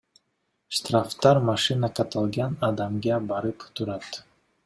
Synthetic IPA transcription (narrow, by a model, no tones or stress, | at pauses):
ʃt̪ɾaft̪ɑɾmaʃinakʰat̪ʰalˠɡanad̪amɡabaɾɨpu̥t̪ʰuɾat̪